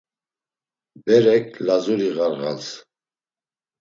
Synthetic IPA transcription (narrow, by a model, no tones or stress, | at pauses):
bɛɾɛkʰlazuɾiʁaɾʁa̰t͡s